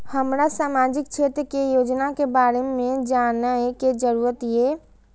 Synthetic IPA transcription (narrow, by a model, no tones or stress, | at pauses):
həmɾasaːmad͡ʒɪkt͡ʃʰet̪ɾəkejoːd͡ʒnakebaːɾemẽd͡ʒanəɛked͡ʒəɾuɾət̪ije